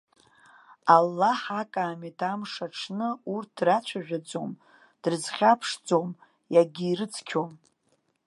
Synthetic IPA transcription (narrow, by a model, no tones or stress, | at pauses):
alːaħakʼaːmitʰamʂaʈ͡ʂʰnɨurt̚ʰdrat͡ɕʷʰaʒᶣad͡zo̞̰m | d̥rzχʲapʰʂd͡zo̞m | jaɡʲiːrɨt͡sʰkʲʰom